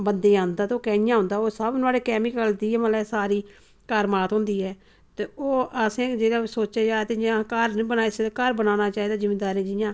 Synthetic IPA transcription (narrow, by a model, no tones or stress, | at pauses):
bənd̪eːãːnd̪aːt̪eoːkɛ̃ːjãːɦʊ̃nd̪aːoːsəbnaːɽeːkɛːmɪkəld̪iːɛməlɛːsaːɾiː | kəɾmaːt̪ɦʊ̃ːnd̪iːɛː | t̪eːoːəsẽːd͡ʒeːɽaːsoːt͡ʃeːd͡ʒaːt̪ejãːkəɾbənaːeseakəɾbənaːnaːt͡ʃaːɦiːd̪aːzɪmːeːd̪aːɾãːd͡ʒɪjãː